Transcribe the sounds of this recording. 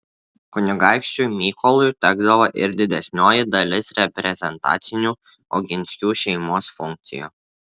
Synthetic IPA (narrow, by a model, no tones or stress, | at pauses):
kʊnʲɪɡɑˑɪkʃʲt͡ʃʲujmʲiːkɔlˠʊjt̪ʲɛɡd̪ɐʋoʔɪ̰ɾd̪ʲɪd̪ʲɛsʲnʲoːjɪd̪ɐlʲɪsɾʲɛpʲɾʲɛzʲɛnt̪ɑ̰ːt̪sʲɪnʲuː | ɔ̰ɡʲɪnʲsʲkʲuːʃʲɛɪmoːsfʊŋʲk̚t̪sʲɪ̰juː